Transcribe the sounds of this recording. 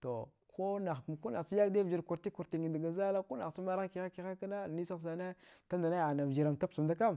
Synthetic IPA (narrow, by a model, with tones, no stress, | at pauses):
to˨ | kʰo˦na˨xku˦na˨i˦ja˦kde˦˨d͡ʒi˨ɾku˨ɾti˦ku˨ɾti˨ŋi˨da˨ɡa˨za˦la˦ku˦na̰˨xsi˦ma˦ɾa˦ki˨xa˦ki˨xa˦ka˦na˦˨ni˦sa˦˨sa˨na˦ta˦nda˨na˦ja˨na˨vd͡ʒi˨ɾa˨ŋta˦psu˨mda˦ka˦˨m